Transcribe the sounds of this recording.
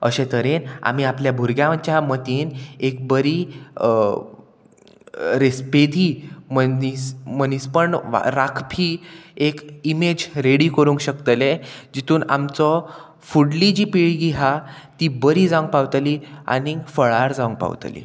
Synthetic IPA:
əɕẽt̪əɾena̰m̤iapljabʱuɾɡjãt͡ɕjamət̪iːnek̚bəɾi | ɾesped̪ʱiməismənispəɳʋa̰ɾakʰpʰiekimed͡ʑɾeɽikəɾũŋkɕəkt̪led͡ʑit̪ʰuːna̰mt͡sɔ | fuɽlid͡ʑipiɭɡiɦat̪ibəɾid͡zaũŋɡ̚pawt̪lia̰nifəɭaɾd͡zaũŋk̚pa̰wt̪lḭ

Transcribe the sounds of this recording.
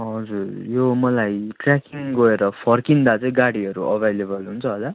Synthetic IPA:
ɦʌd͡zurjomʌlajʈrakiŋɡʌeɾʌpʰʌrkind̪at͡saĩɡaɽiɦʌɾuʔʌbʱelebʌlɦunt͡sʰʌɦola

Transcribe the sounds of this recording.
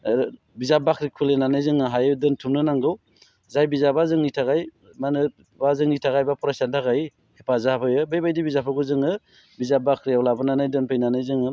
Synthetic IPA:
bizabakɾikʰulenanajzɯŋɯɦajɯdɯntʰumnɯnaŋɡɯw | zajbizabazɯŋnitʰaɡaj | manɯ | bazɯŋnitʰaɡajbapʰɔɾasantʰaɡaj | hepazahapʰɯjɯbɯjbajdibizapʰɯɡɯzɯŋɯ | bizabakʰɾijawlabɯnanajdɯnpʰɯjnanɯjzɯŋɯ

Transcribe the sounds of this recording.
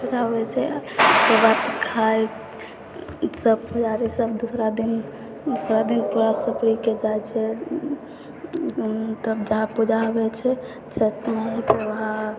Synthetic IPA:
pud͡ʒabɛt͡ʃʰɛt̪əbat̪kʰaj | səb̚pud͡ʒaɾɛt͡ʃəbd̪usɾad̪in | d̪usɾad̪inpuɾasəkɾiked͡ʒajt͡ʃʰɛ | t̪əbd͡ʒəɦãpud͡ʒabɛt͡ʃʰɛ | t͡ʃʰəʈmet̪ɔʋəɦã

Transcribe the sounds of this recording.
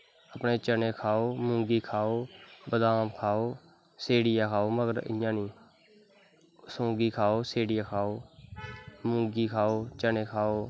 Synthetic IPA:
əpɳeːt͡ʃəneːkʰaːoːmʊ̃ːɡiːkʰaːoːbəd̪aːmkʰaːoː | seːɽɪjãːkʰaːoːməɡəɾɪ̰jãːnĩː | sõːɡiːkʰaːoːseːɽɪjãːkʰaːoː | mʊ̃ːŋɡiːkʰaːoːt͡ʃəneːkʰaːoː

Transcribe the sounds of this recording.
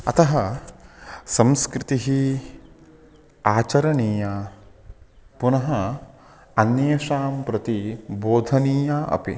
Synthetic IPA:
ɐ̰t̪ɐɦɐ | sɐ̃mskɾɪt̪iɦi | aːt͡ʃɐɾɐniːja | punɐɦɐ | ɐnjɐjɐʃaːmpɾɐt̪iboːd̪ʱɐniːjaːʔɐ̰pḭ

